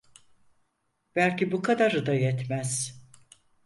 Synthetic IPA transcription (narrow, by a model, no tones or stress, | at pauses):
b̥ælʲcibukʰad̪aɾɯd̪ajɛt̪mæz̥